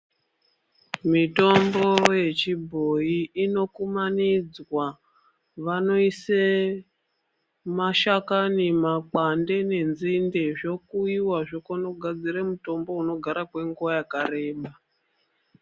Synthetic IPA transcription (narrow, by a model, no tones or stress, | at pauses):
mito̞mbo̞je̞t͡ʃibʱo̞iːno̞kumanid͡zwa | ʋano̞ise | maʃakanemak͡pande̞ne̞nzindeʐo̞kuiwaʐokono̞ɡʱad͡ziɾemuto̞mbo̞uno̞ɡʱaɾakwe̞ŋɡuʋajakaɾe̞ːɓa